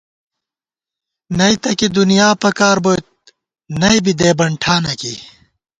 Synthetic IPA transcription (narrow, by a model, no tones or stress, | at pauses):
nɐit̪ɐkid̪unijaːpɐkaːɾbojt̪̚ | nɐjbid̪eːbɐɳʈʰaːnɐkḭ